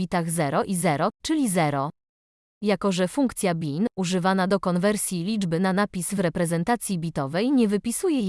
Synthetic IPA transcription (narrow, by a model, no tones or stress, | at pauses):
it̪aɣzɛɾɔʔizɛɾɔt͡ʂɘlʲizɛɾɔ | jakɔʐɛfuŋkt̪sʲjabʲinuʐɘvanad̪ɔkɔnvɛɾsʲjilʲid͡ʐbɘnanapʲisvɾɛpɾɛzɛnt̪at̪sʲjibʲit̪ɔvɛjɲɛvɘpʲisujɛj